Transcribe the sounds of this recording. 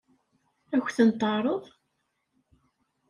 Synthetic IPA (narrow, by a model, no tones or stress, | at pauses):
æçʷθənt̪ˤːɑɾˤəðˤ